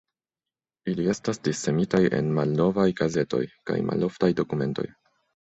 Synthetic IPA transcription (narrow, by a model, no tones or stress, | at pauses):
ilie̞stasdisːe̞mitaje̞̰nmalno̞vajɡaze̞to̞̰jka̰jmʔa̰lo̞ftajdo̞kume̞nto̞̰j